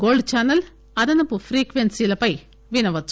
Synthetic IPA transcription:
ɡoːɭɖt͡ɕaːnːɐl | ɐd̪ɐnɐpufriːkʋensijlɐpɐj | ʋinɐʋɐt͡sː

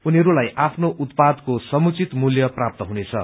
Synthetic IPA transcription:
uniɦʌɾulajʔapʰnoʔut̪pad̪kosʌmut͡sit̪muljʌprap̚t̪ʌɦunet͡sʰʌ̰

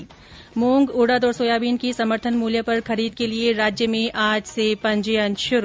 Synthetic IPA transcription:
moːŋɡoːɽad̪ɔːɾsoːjaːbiːnkisɐməɾt̪ʰənmuːljəpɐɾxɐɾiːd̪̚kelieɾaːd͡ʒjəmẽʔaːd͡ʒsepɐ̃ɲd͡ʒjə̃nʃʊɾ

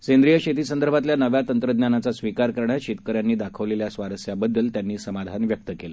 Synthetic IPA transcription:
send̪ɾijəɕet̪iːsənd̪əɾbʱat̪ljanəʋjat̪ənt̪ɾəd̪njanat͡sasʋikaɾkəɾɳaɕit̪kəɾjanːiːd̪akʰəʋleljasʋaɾəsjabəd̪ːəlt̪janːiːsəmad̪ʱanʋjək̚t̪əkelə

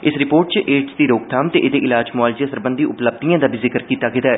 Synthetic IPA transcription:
ɪsɾɪpoːɾʈ̚t͡ʃʔeːʈsd̪iːɾoːk̚t̪ʰaːmt̪eʔɪd̪eʔɪlaːd͡ʒmaːld͡ʒjãsəɾbə̃nd̪iːʊpləb̚d̪ijãːd̪aːbʱiːzɪkəɾkiːt̪aːɡɪd̪aɛ

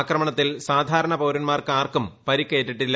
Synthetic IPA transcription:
krɐmɐɳɐt̪ːilsaːd̪ʱaːɾɐɳɐpoːɾunmaːrkaːrkumpɐɾikːeːʈːiʈːilːɐ

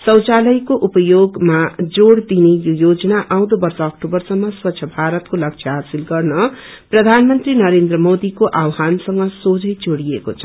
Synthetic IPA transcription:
sʌwt͡salʌjkoʔupʌjoɡmad͡zoɽd̪inejojod͡zʌnaʔaw̃d̪obʌrsʌːkʈobʌrsʌmːʌswʌt̪ːsʰʌbʱaɾʌt̪kolʌk̚t͡ʃʰʌɦasilɡʌrnʌ | prʌd̪ʱanmʌnt̪rinʌɾend̪rʌmod̪ikoʔawɦansʌŋɡʌsod͡zʌjd͡zoɽiekot͡sʰʌ̥

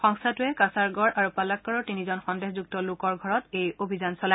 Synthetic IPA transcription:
xɔŋsʰatʊɛkasaɹɡɔɹʔaɹupalakːɔɹɔɹtinizɔnxɔndexzuk̚tɔlʊkɔɹɡʱɔɹɔtejobʱizansɔla

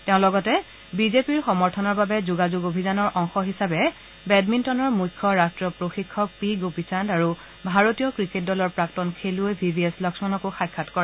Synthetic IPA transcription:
teʊ̃lɔɡɔtɛ | bizepiɹxɔmɔɹtʰɔnɔɹbabɛzuɡazuɡobʱizanɔɹʔɔŋxɔɦisabɛ | bɛdmintɔnɔɹmujkʰːɔɹastɹɔpɹoxikʰːɔk̚piɡopisandaɹu | bʱaɹotijɔkɹiket̚dɔlɔɹpɹaktɔnkʰeluebʱibieslɔksmanɔkoxajkʰːatkɔɹɛ

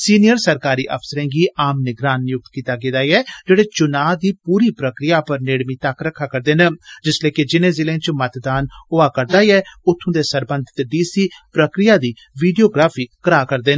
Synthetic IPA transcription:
siːnɪjəɾsəɾkaːɾiːʔə̰pʰsəɾẽːɡiːʔaːmnɪɡɾaːnjʊk̚t̪kiːt̪aːɡeːd̪aːiɛːd͡ʒeːɽeːt͡ʃʊnaːd̪iːpuːɾiːpɾəkɾɪjaːpəɾneːɽmiːt̪əkɾəkʰːaːkəɾd̪eːnəd͡ʒɪsleːkɪd͡ʒɪnẽːzɪlẽːt͡ʃmət̪d̪aːnʊaːkəɾd̪aːiɛːʊt̪ʰːõːd̪eːsəɾbə̃nd̪ʱɪt̪ɖiːsiːpɾəkɾɪjaːd̪iː | ʋiːɖijoːɡɾaːpʰiːkəɾaːkəɾd̪eːn

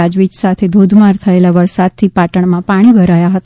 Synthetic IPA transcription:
ad͡ʒʋit͡ʃsat̪ʰed̪ʱud̪ʱmaɾt̪ʰəelaʋəɾsad̪̚t̪ʰipaʈəɳ̃mãpaɽ̃ibʱəɾajaɦət̪a

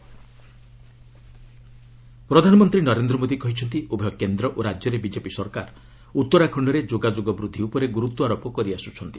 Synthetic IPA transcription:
pɾɔd̪ʱanɔmɔnt̪ɾinɔɾend̪ɾɔmod̪ikɔɦit͡ʃʰɔnt̪iubɔjɔkend̪ɾɔʔoɾad͡ʒjɔɾebid͡ʒepisɔɾka̰ɾɔ | ut̪ːɔɾakʰɔɳɖɔɾed͡ʒoɡad͡ʒoɡɔbɾud̪ʱːiupɔɾeɡuɾut̪ɔaɾopɔkɔɾiasut͡ʃʰɔnt̪i̥

